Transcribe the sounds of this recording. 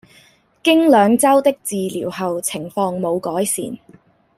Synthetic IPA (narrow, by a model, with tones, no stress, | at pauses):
kɪ˥ŋlœː˨˧ŋt͡sɐ˥wt̪ɪ˥k̚t͡siː˨lḭː˨˩wɦɐ˨wt͡sʰɪ˨˩ŋfɔː˧ŋmo˨˧wkɔː˨˥jsḭː˨˩n